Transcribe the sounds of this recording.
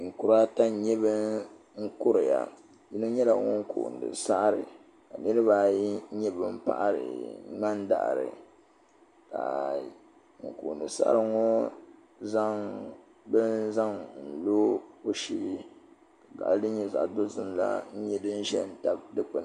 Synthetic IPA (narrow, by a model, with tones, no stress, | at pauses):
ŋ̩˨kʊ˨ɾa˦ta˦ɲɛ˦bɨ˦ | ŋ̩˦kʊ˦ɾɨ˨ja̰˨ | ji˦nu˦ɲɛ˦la˨ŋo˦ŋ˦kṵ˨n˨dɨ̰˨sa˦ʔɾɨ˨ | ka˨nɨ˦ɾɨ˦ba˦ɲɛ˦bɨ˦m̩˦pa̰˦ʔa˦ɾɨ̰˨ŋ͡ma˦nda̰˨ʔɾɨ̰˨ | ka̰˨ | ŋ̩˨ku˨n˨dɨ˨sa̰˦ʔa˦ɾɨ˦ŋo˦ | za˦ŋ | bɨ˦nza˦ŋn̩˨lo˦o˦ʃi˦li˦ | ka˨ɡa̰˨ʔɨ˦dɨ˦ɲɛ˦za̰˨ʔdo˦zɨ˦mla̰˦n̩˦ɲɛ˦dɨ˦n̩˦ʒɛ˦˨n̩˨ta˦b̚dɨ˦k͡pa˨˦